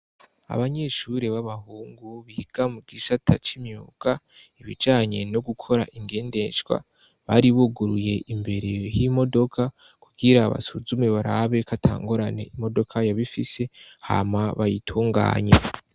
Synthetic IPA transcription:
a̰βaɲe̞ʃuɾeβaβahuːŋɡuβiɡ̥amuɡisatʰat͡ʃimjuːɡ̥a | iβḭd͡ʒaːɲe̞̰noɡukʰo̞ɾa̰ʔiŋɡe̞ːnde̞ʃɡwa̰ | βaɾiβuɡuɾuje̞ʔimbe̞ɾe̞jimo̞do̞kʰa | kuɡ̥iɾaβa̰suzumeβaɾaβe̞katʰa̰ːŋɡuɾane̞̰imo̞do̞kʰajaβifise̞ha̰maβajitʰuːŋɡa̰ːɲe̞

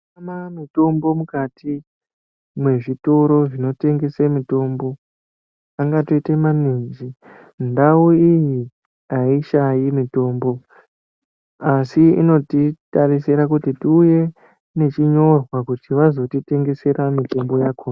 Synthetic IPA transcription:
mamito̞mbo̞mukatʰi | mwe̞ʐito̞ɾo̞ʐino̞te̞ŋɡe̞semito̞mbo̞ | aŋɡato̞itemanind͡ʒi | ndauiji | aiʃajimito̞ːmbo̞ | asiḭno̞titarisiɾakutitiuje̞ | ne̞t͡ʃiɲo̞rwakutiʋazo̞tite̞ŋɡe̞se̞ɾamito̞mbo̞jaːkʰo

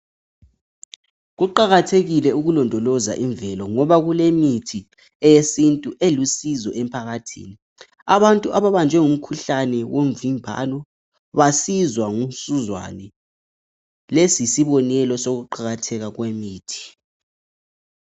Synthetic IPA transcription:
ɣuǃaɣatʰeɣilɛuɣulɔndʱɔlɔza̰ʔiɱvɛlɔŋɔβaɣulemitʰi | ɛjesintʼuʔelusizɔʔɛmpʰaɣatʰḭːni | aβantʼuʔaβaβand͡ʒʱwɛŋum̩kʰuɬanɛwom̩vimbʱa̰lɔ | βasizwaŋusuzwa̰nɛ | lesisiβɔnɛlɔsoɣuǃaɣatʰɛɣaɣwemiːtʰi̥

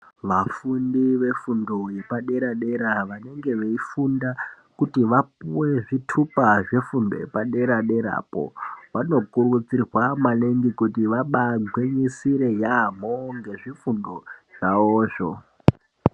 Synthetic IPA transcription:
ʋafundiʋe̞fundoje̞paɗe̞ɾaɗe̞ɾaʋane̞ŋɡe̞ʋeifunda | kutiʋap̚uwe̞ʐitʰupaʐefundo̰jepaɗe̞ɾaɗe̞ɾa̰ːpo̰ʋano̞kurut͡sirwamaleŋɡikutiʋaɓaɡʱweɲisiɾe̞jam̤oŋɡe̞ʐifundo̞ʐ̥aoːʐo̰

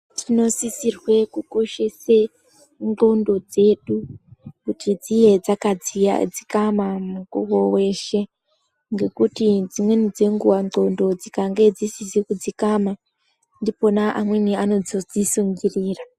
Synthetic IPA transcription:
tʰino̞sisirwe̞kuko̞ʃe̞se | ŋɡo̞ndo̞d͡ze̞ɗukutʰid͡zije̞d͡zakad͡z̰d͡zikamamuɡuwo̞we̞ːʃe̞ | ŋɡe̞kutid͡zimwe̞nid͡ze̞ŋɡuwao̞ndo̞d͡zikaŋɡe̞d͡zisisikud͡zikama | ndipo̞naʔamweniano̞d͡zo̞d͡zisuŋɡiriːra

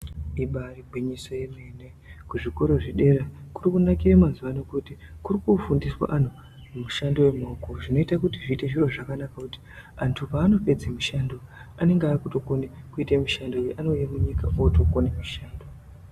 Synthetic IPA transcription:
iɓariɡʱiɲisajemene | kuʐiko̞ɾo̞ʐiɗe̞rakurikunakiramanzuʋanokutikurikufundiswa̰ʔan̤u | umuʃando̞wemoːkoʐino̞itakutiʐiteʐiro̞ʐakanakakuti̥antʰupaːno̞pe̞d͡zemiʃando̞ane̞ŋɡeaːkuto̞konekuitemiʃando̞jeʔano̞jemuɲikaoto̞konemiʃaːndo

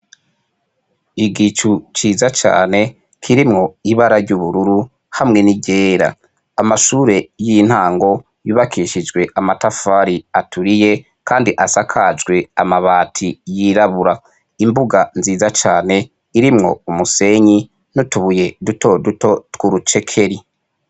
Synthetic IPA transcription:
iɡit͡ʃut͡ʃiːzat͡ʃa̰ːne̞ | kʰiɾimŋo̞iβaɾaɾɟuβuɾuɾu | hamŋe̞niɟe̞ːɾa̰ | amaʃuːɾe̞jin̥haːŋɡo̞ | juːβakʰiʃid͡ʒɡwe̞ʔamatafaɾiatuɾije̞ | kaːndiʔasakʰad͡ʒɡwe̞amaβaːtʰijiɾaβuɾa | imbuɡanziːzat͡ʃaːne̞ | iɾimŋo̞̰umuse̞ɲi | nutuβuje̞duto̞dutotkuɾut͡ʃe̞kʰe̞ɾi

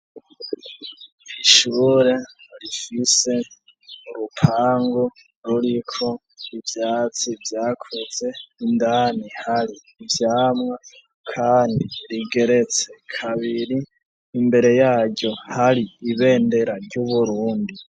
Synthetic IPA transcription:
iʃuːɾe̞ɾifise̞ | uɾupʰaːŋɡu | ɾuɾikʰo̞ | ivjaːt͡sivjaːkʰuze̞indaːnihaɾiːvjaːmŋa | kʰaːndiɾiɡe̞ɾe̞t͡se̞kʰaβiɾiː | mbe̞ɾe̞jaːɟo̞haɾiiβe̞ːnde̞ɾaɾɟuβuɾuːndi

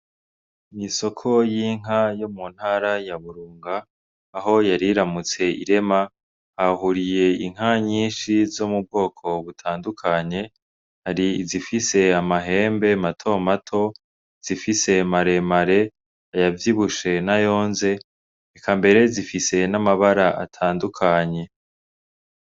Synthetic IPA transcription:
miso̞kʰo̞jiːŋ̥ajomun̥haːɾajaβuɾuːŋɡaː | ɦo̞jaɾiɾamut͡se̞ḭɾe̞ma | hahuɾije̞iŋ̥aɲiːnʃizo̞mub̚ɡo̞ːkʰo̞βutʰaːndukʰaɲe̞ | haɾizifise̞amaɦe̞ːmbe̞matʰo̞matʰo̞ | z̥ifise̞maɾe̞maɾe̞ | ajavjiβuʃe̞najo̞ːnze̞ː | kʰambe̞ɾe̞zifise̞namaβaɾaʔa̰tʰaːndukʰaɲe̞

